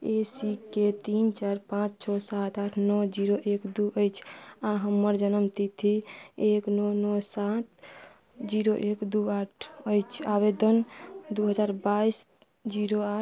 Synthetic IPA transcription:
esiket̪int͡ʃaɾpãt͡ʃt͡ʃʰɔsat̪aʈʰnɔd͡ʒiɾoʔekd̪uʔəjt͡ʃʰãɦəmːəɾd͡ʒənəmt̪it̪ʰieknɔnɔsat̪ | d͡ʒiɾoʔekd̪uaʈʰəjt͡ʃʰaβed̪ənd̪uɦəd͡ʒaːɾbais | d͡ʒiɾoa

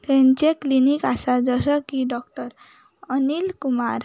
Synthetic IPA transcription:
t̪ent͡ɕeklinikasad͡ʒɔsɔkiɖɔk̚ʈɔɾ | ɔnilkumaɾ

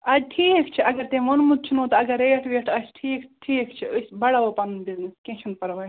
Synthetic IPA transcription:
ɐʈʰiːkt͡ʃʰiɐɡɐɾt̪ẽmɐnmut̪̚t͡ʃʰinot̪ɐɡɐɾeːʈʰʋeʈʰɐsʈʰiːkʈʰiːkt͡ʃʰiəsbɐɽaʋopɐnbizneskʲẽt͡ʃʰunpɐɾʋɐj

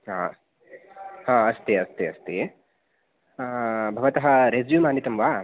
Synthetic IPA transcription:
ɦaː | hãːɐst̪eɐst̪eɐst̪eː | bʱɐʋɐt̪ɐɦɐɾezjumaːnit̪ɐmʋaː

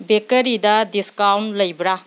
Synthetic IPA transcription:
bekɐɾidɐdiskawnlɐjbɾa

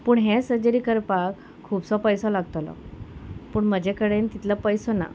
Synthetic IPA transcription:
puːɳɦɛsəd͡ʑəɾikəɾpakʰːuːbsɔpəjsɔ̃laɡt̪olɔ̰ | puːɳməd͡ʑʱekəɽent̪it̪lapəjsɔna̰

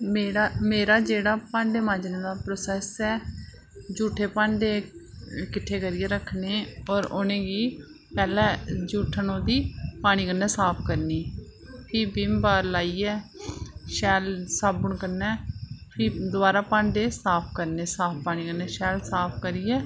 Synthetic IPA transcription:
meːɾaːmeːɾaːd͡ʒeːɽaːpãːɳɖeːmãːd͡ʒnẽːd̪aːpɾoːsɛːsɛː | d͡ʒuːʈʰeːpãːɳɖeː | kɪʈʰːeːkəɾɪːeːɾəkʰneːɔːɾonẽːɡiː | pɛːlɛ̃ːd͡ʒuːʈʰənõːd̪iːpaːɽ̃iːkənːɛːsaːpʰkəɾniːpʰiːbɪmbaːɾlaːiːɛː | ʃɛːlsaːbəɳkəɾnɛːpʰiːd̪ʊaːɾaːpãːɳɖeːsaːpʰkəɾneːsaːpʰpaːɽ̃iːkənɛːʃɛːlsaːpʰkəɾiːɛː

